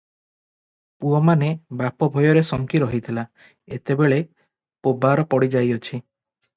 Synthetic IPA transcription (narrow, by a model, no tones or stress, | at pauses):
puɔmanebapɔbʱɔjɔɾesɔŋkiɾɔɦit̪ʰila | et̪ebeɭe | pobaɾɔpɔɽid͡ʒajɔt͡ʃʰi